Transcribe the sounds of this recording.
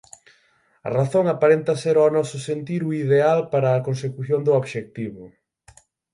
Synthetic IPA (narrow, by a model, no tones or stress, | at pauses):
ɐ̰raθoŋapaɾent̪ɐseɾonɔsʊsent̪iɾuiðealpaɾɐːkonsekuθjond̪ʊoβʃek̚t̪iβʊ